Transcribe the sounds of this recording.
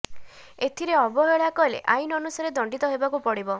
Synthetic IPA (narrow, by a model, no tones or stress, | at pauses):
et̪ʰiɾeɔbɔɦeɭakɔɦlḛʔajnɔnusaɾed̪ɔɳɖit̪ɔɦebakupɔɽibɔ